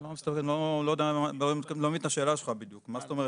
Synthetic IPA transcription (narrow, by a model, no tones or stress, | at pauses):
lamist̪afkedlolojd̪eaaomit̪klomit̪aʃeːlaʃelχabid̪jukmast̪o̞me̞e